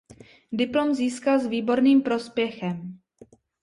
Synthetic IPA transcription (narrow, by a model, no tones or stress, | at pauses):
dɪplomziːskalzviːbo̞ɾniːmpɾo̞spjɛxɛm